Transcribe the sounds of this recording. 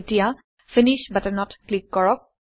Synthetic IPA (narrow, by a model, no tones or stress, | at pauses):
tija | finiʃbatnɔtklikːɔɹɔk̚